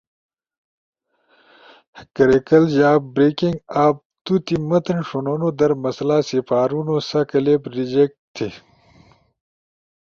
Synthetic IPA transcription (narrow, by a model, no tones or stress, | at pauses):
kɐɾekɐlʑaːbbɾekiŋɡaːp̚t̪ut̪imɐt̪ɐnʂononod̪ɐɾmɐslasipaːɾunosɐkɐlepɾid͡ʑek̚ʈt̪ʰːi